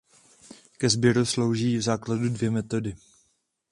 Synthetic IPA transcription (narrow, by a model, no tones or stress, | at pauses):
kɛzbjɛɾuslo̞wʒiːvzaːkladudvjɛmɛt̪o̞dɪ